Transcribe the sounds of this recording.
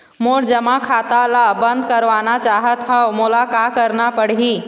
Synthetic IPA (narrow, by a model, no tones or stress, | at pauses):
moːɾd͡ʒəmakʰaːt̪alabə̃nd̪̚kəɾʋaːnat͡ʃaːɦət̪ɦɛmʊlakakəɾnapəɽɦiː